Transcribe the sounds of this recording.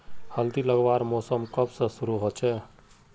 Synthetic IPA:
həld̪iləɡbaɾmosəmkəbsə̃suɾuɦot͡ʃʰɛ

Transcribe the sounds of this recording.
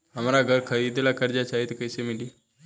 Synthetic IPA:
ɦəmɾaɡʱəɾkʰəɾid̪elakəɾd͡ʒat͡ʃaɦit̪kəjsemili

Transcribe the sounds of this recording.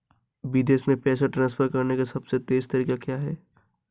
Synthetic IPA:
ʋɪd̪eːsmẽpɛːsaʈɾãːnsfʰəɾkɐɾnekasɐbset̪eːzt̪ɐɾiːkakjaːɦɛː

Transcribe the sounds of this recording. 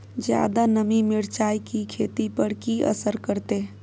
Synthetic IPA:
d͡ʒja̰ːd̪anəmimɪɾt͡ʃaːjkikʰeːt̪ipəɽkiə̰səɾkəɾt̪eː

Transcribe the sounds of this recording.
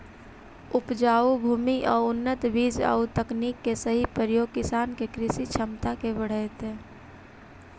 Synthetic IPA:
ʊpd͡ʒaːubʱuːmiʔɔːɾʊnːət̪biːd͡ʒə̰ut̪əkniːkːesəɦipɾəɾjoːɡ̚kɪsaːnkekɾɪsit͡ʃʰəmt̪akebəɽ̤əɪt̪ɦɛ̃ː

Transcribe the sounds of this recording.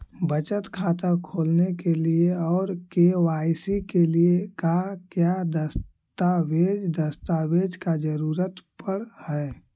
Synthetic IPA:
bət͡ʃət̪kʰaːt̪əkʰoːlnekelieɔːɾkewaːɪsikeliekakjad̪əs | t̪aweːd͡ʒd̪əst̪aːweːd͡ʒkad͡ʒəɾuːɾət̪pəɽhɛː

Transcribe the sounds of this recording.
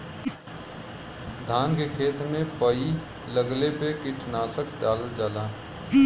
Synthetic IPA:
d̪ʱaːnkekʰeːt̪mẽpəi | ləɡlepekɪʈʰnaːsəkɖaːləd͡ʒaːlaː

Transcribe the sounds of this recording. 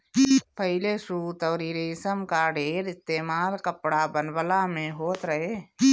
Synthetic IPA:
pəɦɪlesuːt̪əːɾiːɾesəmkaɖeːɾɪst̪eːmaːlkəpɽabənbəlamẽɦoːt̪ɾəɦeː

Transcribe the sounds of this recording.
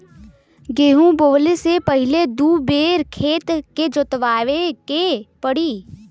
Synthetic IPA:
ɡeːɦũboːlesepɐɦɪled̪uːbeːɾkʰeːt̪ked͡ʒʊt̪ʋaːʋekepəɽiː

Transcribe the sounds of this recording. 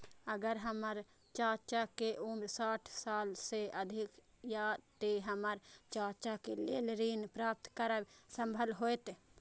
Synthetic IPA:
əɡəɾɦɐməɾ | t͡ʃaːt͡ʃakeʔumɾsaːʈʰsaːlseɐd̪ʱɪk | jaːd̪t̪eɦɐməɾt͡ʃaːt͡ʃakelelɾiːnpɾaːp̚t̪kəɾəbsəmbʱəlɦoet̪

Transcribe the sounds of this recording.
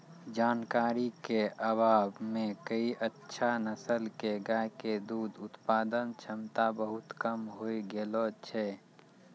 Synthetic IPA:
d͡ʒaːnkaːɾikeʔəbaːbmẽkəiʔətːʃʰanəsəlkeɡajked̪uːd̪ʊt̪paːd̪ənt͡ʃʰəmt̪abəɦʊt̪kəmɦoiɡelot͡ʃʰɛ

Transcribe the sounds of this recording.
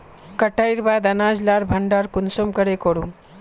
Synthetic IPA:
kəʈaiɾbaːd̪ɐnaːd͡ʒlaɾbʱɐɳɖaɾkunsomkəɽekoɽu

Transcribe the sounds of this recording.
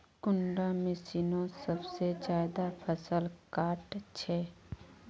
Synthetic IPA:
kʊɳɖamɪsiːnõsəbsed͡ʒjaːd̪apʰəsəlkaːʈt͡ʃʰeː

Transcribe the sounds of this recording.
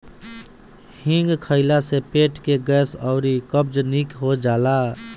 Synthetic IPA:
hɪ̃ŋɡkʰəɪlasepeːʈkeɡɛːsɔʊɾikəb̚d͡ʒnikɦod͡ʒaːlaː

